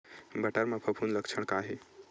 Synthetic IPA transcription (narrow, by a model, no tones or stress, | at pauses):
bəʈəɾmapʰəpʰunləkt͡ʃʰəɳ̃kaɦi